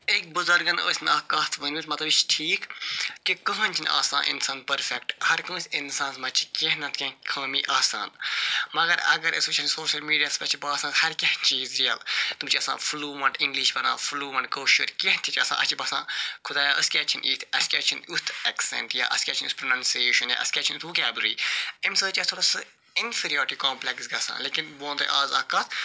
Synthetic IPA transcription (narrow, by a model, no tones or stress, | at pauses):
ek̚buzɐɾɡɐnə̰ːsʲnaːkɐt̪ʰʋənit̪mɐt̪lɐbit͡ʃʰʈʰiːkkikɐ̃ɦɐnʲt͡ʃʰina̰ːsã̰ːnʔḭnsaːnpɐɾfekʈhɐɾkə̃ːsʲinsãːnsmɐt͡ʃʰi̥kʲeɦnɐt̪ʰkʲɐ̃ːkʰɐːmiːʔaːsa̰ːnmɐɡɐɾɐ̰ɡɐɾəsut͡ʃʰɐnsoːʃɐlmiːɖijaːspɐt͡ʃʰibaːsãːhɐɾkʲɐhnʲt͡ʃiːzɾijɐ̰lt̪umt͡ʃʰiɐsã̰ːfluːmɐ̃ɳʈĩŋɡliʃbɐna̰ːfluːmɐɳɖkoːʃuɾkeɦt̪ʰit͡ʃɐsã̰ːʔɐ̰t͡ʃʰibɐːsãːkʰud̪aːjaːʔɐskʲat͡ʃʰinʔiːt̪ʰɐskʲɐt͡ʃʰinut̪ʰɛksɛ̰̃ɳʈja̰ːʔɐ̰skʲaːt͡ʃʰinut̪pɾonɐ̃nseːʃɐnja̰ʔɐ̰skʲaːt͡ʃʰinut̪ʋukʲaːbɾḭːimsəːt͡ʃiɐt̪ʰoɾɐsɨ | infiɾioːɾʈikɔːmplɛksɡɐsa̰ːnlekinʋõːnt̪ɨ̰ʔaːzɐ̰kɐt̪ʰ